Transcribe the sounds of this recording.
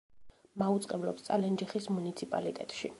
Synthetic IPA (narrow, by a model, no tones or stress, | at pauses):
maut̪sʼqʼɛblɔpst̪sʼalɛnd͡ʒɛχismunit̪sʰipʼa̰lit̪ʼɛ̰t̪ʼʃi